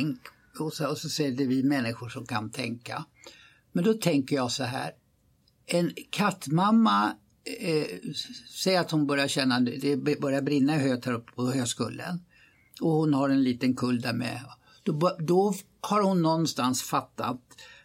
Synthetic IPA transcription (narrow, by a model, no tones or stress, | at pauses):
ŋk | ɔsɔɔsɔsɛjəɖɛvɪmɛnːɪɧʊʂɔmkʰant̪ʰɛŋka̰ | mɛnd̪ɔt̪ʰɛŋkəjɑsɔɦæ̰ːɾ | ɛnkʰat̪ːmamːa | sɛjːəɾat̪hʊnbœɾjaɕɛnːad̪ɛbbœɾjabɾɪnːaɦøːt̪hæɾɵpːpʰɔhøːɡskɵ̰lːə̰n | ɔhʊnhaɾɛnliːt̪ənkʰɵld̪æɾmɛ̰ | d̪̥ɔbd̪ɔ | haɾhʊnːɔnːst̪ansfat̪ːa̰t̪